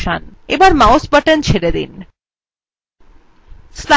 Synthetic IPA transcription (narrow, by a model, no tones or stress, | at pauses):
ʃanḛbaɾmaosbəʈent͡ɕʰeɾed̪ḭn | sla